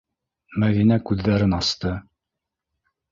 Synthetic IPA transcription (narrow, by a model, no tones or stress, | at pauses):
mæðinækʉðːæɾɘnɑst̪ɤ